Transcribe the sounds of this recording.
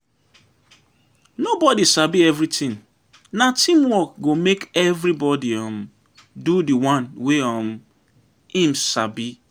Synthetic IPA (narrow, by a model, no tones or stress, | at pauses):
nobɔdisabiɛvɾitĩŋ | natʰĩmwɔkɡomekɛvɾibɔdiɔm̩ | dudiwãnweɔm̩ | ĩm̩sa̰bi